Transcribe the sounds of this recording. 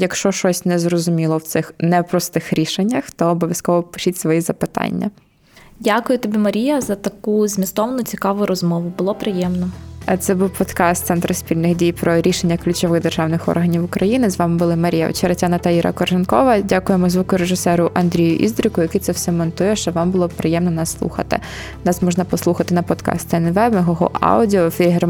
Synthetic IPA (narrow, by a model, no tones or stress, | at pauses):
jɐkʃt͡ʃɔʃt͡ʃɔsʲnɛzrɔzʊmʲilˠɔwt̪sɪxnɛwpɾɔst̪ɪxɾʲiʃenʲːɐxt̪ɔːbɔʋʲjɐskɔʋɔpɪ̥ʃʲitʲsʋɔjizɐpɪt̪ɑ̰nʲːɐ̰ | dʲakʊjʊt̪ɔbʲimɐɾʲijɐzɐt̪ɐkuzmʲist̪ɔʋɐnʊt͡sʲikɑʋʊɾɔzmɔʋʊbʊlˠɔpɾɪjɛmnɔt̪sɛbuwpɔt̪kɑst̪sɛnt̪ɾɐsʲpʲilʲnɪɣdʲijpɾɔɾʲiʃenʲːɐklʲʉt͡ʃɔʋɪɣd̪erʒɑwnɪxɔ̰rɦɐnʲiwʊkɾɐjinɪzʋɑmɪbʊlˠɪmɐɾʲijɐ̰ɔ̰t͡ʃɛɾɐtʲanɐt̪ɐiɾɐ̰kɔrʒɪnkɔʋɐdʲakʊjemɔzʋukʊʊɾeʒɪsɛɾʊʔɐnd̪ɾʲijʊʔḭzd̪ɾɪkʊjɐkit̪sɛwsɛmɔnt̪ujɛʃt͡ʃɔʋɑmbʊlˠɔpɾɪjɛmnɔnɑsːlˠṵxɐ̰t̪ɪ̰ | nɑsmɔʒnɐpɔsˠuxɐt̪ɪnɐpɔt̪kɑ̰st̪ɛnʋɛbɐɦɔɦɔ̰ʔɑ̰wdʲiɔfʲeɦɛr